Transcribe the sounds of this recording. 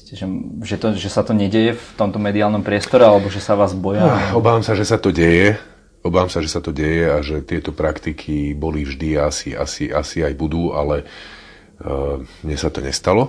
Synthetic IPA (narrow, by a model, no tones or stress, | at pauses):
scɛʒɛʒɛt̪ɔʒɛsat̪ɔɲɛɟɛjɛft̪ɔmt̪ɔmɛd̪iaːlnɔmpɾɪɛst̪ɔɾɛalɛbɔʒɛsaʋaːzbɔjaɔbaːʋamsaʒɛsat̪ɔɟɛjɛ | ɔbaːʋamsaʒɛsat̪ɔɟɛjɛaʒɛt̪ɪɛt̪ɔpɾakt̪ikʰibɔlivʒd̪iaasia̰siasiajbud̪uːa̰lɛ | mɲɛsat̪ɔɲɛ̰st̪alɔ